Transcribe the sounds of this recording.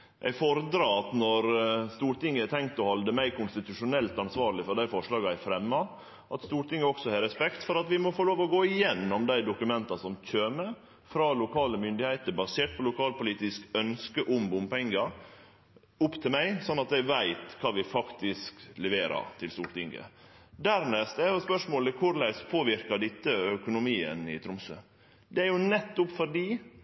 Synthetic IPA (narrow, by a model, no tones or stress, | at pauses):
ʔɛ̰ɪfɔɾd̪ɾɑːɑt̪nɔɾst̪uːɾʈɪŋːəɛt̪ʰɛŋkt̪ɔhɔld̪əmæɪkʊnst̪ɪt̪ʉʂʊnɛlt̪ɑnsʋɑːɾlɪfɔɾɖæɪfɔʂɭɑːɡəæɪfɾɛmːɑ | ʔɑt̪st̪uːʈɪŋːəɔksɔhɛɾɛspɛkt̪fɔɾɑt̪ʋɪmɔfoːloːʋɔɡoːɪjɛnːɔmd̪æɪd̪ʊkʉmɛnt̪ɑsɔmc͡çøːmə | fɾɑːlʊkʰɑːləmʏnd̪ɪheɪt̪əbɑseːʈ̚pʰɔlʊkʰɑːlpʊliːt̪ɪskœnskəʔʊmbʊmpɛŋɡɑ | ʊpːt̪ʰɪlmæɪsɔnːɑt̪æʋæɪt̪kʰɑːʋɪfɑkt̪ɪsklɛʋeːɾɑ̰ɾt̪ʰɪlst̪uːlt̪ɪŋɡə̰d̪æɾnɛst̪ɛɾɔspœʂmoːləkʰʊɾlæɪspʰoːʋɪɾkɑɖɪt̪ːəœkʊnʊmiːə̰nɪ̰t̪ʰɾʊmsø̰ː | d̪ɛæɾjʊnɛt̪ːʊpfɔɖiː